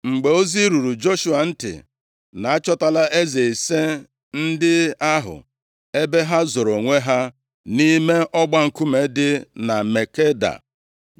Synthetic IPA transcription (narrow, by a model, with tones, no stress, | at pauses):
ŋ͡m̩˨ɡ͡be˨o˦zi˦ɾu˨ɾu˨d͡ʒo˦ʃu˦a˨n̩˦tɪ̰˨ | na˨a˦t͡ʃɔ˦ta˨la˦ʔe˦ze˨i˨se˦ | n̩˦dɪ˦a˦ɦʊ̰˨ | e˦be˦ɦa˦zo˨ɾo˨ŋʷe˦ɦa˦ | ni˦me˦ʔɔ˦ɡ͡ba˦ŋ̩˨ku˦me˨dɪ˦na˨me˨ke˦da̰˨